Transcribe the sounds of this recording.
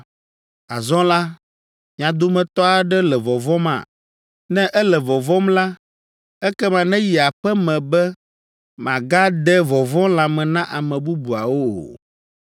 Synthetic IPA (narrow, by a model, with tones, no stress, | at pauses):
a˨zɔ̃˦la˦ | mĩ˨ã˨d̪o˦mɛ̃˨t̪ɔ˦a˨ɖɛ˦lɛ˨vɔ˨vɔ̃˦mã̰˨ | nɛ̃˦ʔɛ˦lɛ˨vɔ˨vɔ˦mla˦ | ɛ˦kɛ˦mã˨nɛ̃˦ji˨a˨ɸɛ˦mɛ̃˨bɛ˦ | mã˨ɡa˦d̪ɛ˦vɔ˨vɔ̃˦la˨mɛ̃˨nã˦ʔa˨mɛ̃˨bu˦bu˨a̰˨wo̰˦˨